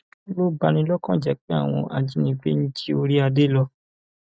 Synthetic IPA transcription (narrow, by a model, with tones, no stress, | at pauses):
lo˦ba˧nĩ˧lɔ˦kã˦˨d͡ʒɛ˨˦k͡pe˨˦a̰˦˨w̃ɔ̰̃˧ʔa˧d͡ʒi˦nĩ˧ɡ͡be˦ñ̩˦ti˦o˧ɾi˦a˧de˦lɔ˧